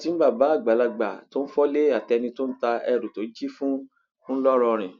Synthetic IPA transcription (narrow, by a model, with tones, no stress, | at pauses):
ti˨˦n̩˦ba˦˨ba˨˦a˦˨ɡ͡ba˨la˧ɡ͡ba̰˨to˦n̩˦fɔ˦le˦a˦˨tɛ˧nĩ˧to˦n̩˦ta˧ɛ˧˨ɾo˨to˨˦d͡ʒi˦fũ˦ | fũ˦lɔ˦ɾɔ̃˧ɾ̃ĩ˨